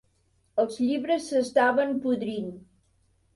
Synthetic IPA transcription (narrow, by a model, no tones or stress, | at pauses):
əlˠzʎiβɾəsːəst̪aβəmpuðɾin